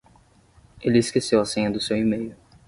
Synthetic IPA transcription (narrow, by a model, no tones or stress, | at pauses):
elɪːskesewɐsẽɲɐd̪ʊsewimejʊ